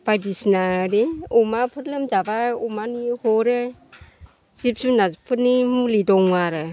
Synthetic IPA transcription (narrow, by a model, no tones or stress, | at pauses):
b̥ajdisnaɾiumapʰɯt̚lɯmzabaumanihɔɾɯ | sip̚sunapʰɯt̚nimulidɔŋaɾɯ